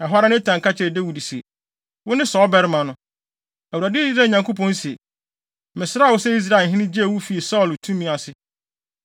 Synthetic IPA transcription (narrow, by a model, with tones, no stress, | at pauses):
ɛ˨ɦɔ˦ɾa˦nɪ̃˦tʰã˨ŋka˦t͡ɕʰɪ˨ɾɛ˨de˦wu˨di˨si˨e˨ | wʊ˦nɪ̃˦sɔ˨˦bɛ˦ɾmã˨nʊ̃˨˦ | æ˨wu˨ɾa˨dɪ˦i˦sɾaː˦˨ɲã˨ŋkʰo˦pʰɔ̃˦n̩˦si˨e˨ | mɪ̃˨sɪ˦ɾa˦˨wʊ˦sɛ˦i˦s̬ɾa˨ɦɪ̃˦nɪ̃˦d͡ʑe˦˨wu˦fi˨e˨sɔ˦˨ltʰũ˦mĩ˦a˨sɪ˦